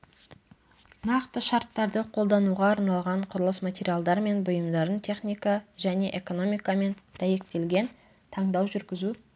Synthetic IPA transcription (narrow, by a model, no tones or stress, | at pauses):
nɑqt̪əʃɑɾt̪ːɑɾd̪əqʰo̞lˠd̪ɑnuʁɑːɾnɑlˠʁɑɴqʰʊɾəlˠəsmat̪ʲe̞ɾʲijalˠd̪ɑɾme̞nbʊjəmd̪ɑɾənt̪ʰe̞χnʲijkɑʒæne̞ʔe̞ko̞no̞mijkɑme̞nd̪̥æje̞k̚t̪e̞lɡʲe̞n | t̪ʰɑɴd̪ɑwʒʏɾɡʲɪzu